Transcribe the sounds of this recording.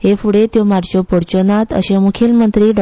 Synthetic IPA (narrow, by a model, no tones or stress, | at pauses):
ɦefuɽet̪jomaɾt͡ɕopoɽt͡ɕonat̪ə̰ɕemukʰjilmənt̪ɾiɖɔ